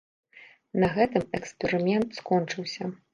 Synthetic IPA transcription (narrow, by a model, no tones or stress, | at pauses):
nɐɣɛt̪ɨmɛkspʲɛɾɨmʲɛnt̪skɔnt͡ʂɨwsʲɐ